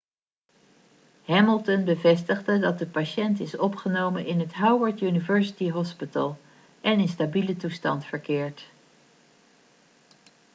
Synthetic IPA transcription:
hɛməlˠtənbəvɛstəχdədɑt̚dəpaʃɛntɪsɔpχənowmənɪnɦətɦawwəɹtjynivɛɹsi̥tiɦɔspitə̰lˠ | ʔɛnɪnstabilətustɑntfəɹkɪːɹt

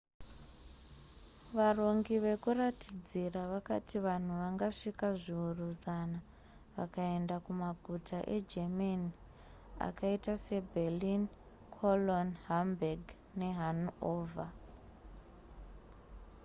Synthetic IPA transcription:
ʋaro̞ŋɡiʋe̞kuratid͡ziraʋakatiʋan̤uʋaŋɡaʂikaʐiuruzana | ʋa̰kae̞ndakumaɡʱutʰaʔe̞̰d͡ʒemani | a̰kaitase̞bʱelin | kʰolonɦambaɡ | ne̞ɦanoːvʱa

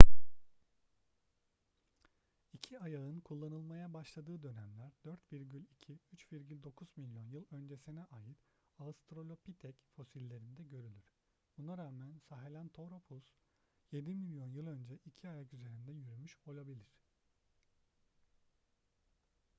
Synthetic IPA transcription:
icʰiajaɯnkʰulˠːanɯlˠmajabaʃlˠad̪ɯːd̪ø̞næmlʲæɾd̪øɾt̪viɾɟylʲicʰiyt͡ʃviɾɟylʲd̪o̞kʰuzmilʲjo̞njɯlˠø̞nd͡ʒe̞sinɛʔaːjɯt̪ | ast̪ɾo̞lʲo̞pit̪ʰɛcfo̞silʲːe̞ɾind̪ɛɟø̞ɾylʲyɾ̥ | bunaɾaːmænsaɦelʲænt̪ʰo̞ɾapʰus | je̞d̪imilʲjo̞njɯlˠø̞nd͡ʒɛʔicʰiajakyze̞ɾind̪ɛjyɾymyʃo̞lˠabilʲiɾ̥

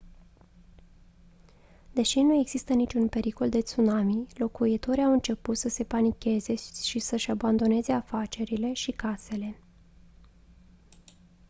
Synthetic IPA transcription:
d̪e̞ʃinue̞ɡz̥ist̪ənit͡ʃunpe̞ɾiko̞ld̪e̞t̪sunamilo̞kuit̪o̞ɾiawɨnt͡ʃe̞put̪səse̞panikʲe̞ze̞ʃisəʃaband̪o̞ne̞ze̞afat͡ʃe̞ɾile̞ʃikase̞le̞

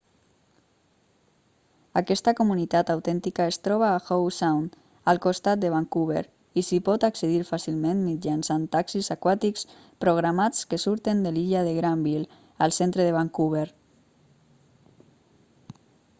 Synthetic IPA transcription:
akɛst̪akomunit̪at̪awt̪ɛnt̪ikaest̪ɾɔβ̞aːxowsawn | alˠkost̪at̪̚d̪əβ̞aŋkuβ̞ḛɾ | isipɔt̪aksəðiɾfasilmẽnmid͡ʒansant̪aksizakwat̪iks | pɾoɣ̞ɾamat͡skəsuɾt̪end̪eliʎaðeɣɾambil | əlˠsent̪ɾəðeβaŋkuβ̞eɾ

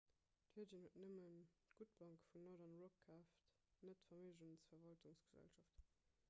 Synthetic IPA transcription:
thiɐdinhutnəmənɡ̥ut̚b̥ɑŋkfunɔdɐnʁokʰaːft | nətfɐmiʒunsfɐɐvɑltuŋsɡ̥əzæ̰lʃɑft

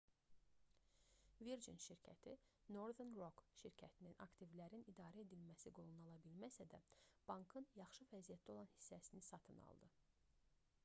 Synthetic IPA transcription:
viɾd͡ʒḭnʃiɾcʰæ̰t̪ʰino̞ɾðenro̞kʃiɾcʰæt̪ʰininɑ̰kt̪ivlæɾinid̪ɑːɾæe̞d̪ilmæsiɡo̞lˠunɑlˠɑbilmæsæd̪æ̰b̥ɑŋkʰɯnjɑχʃɯvæzijæt̪̚d̪ɛo̞lˠɑnhi̥sːæsinisɑt̪ʰɯnɑ̰lˠd̪ɯ

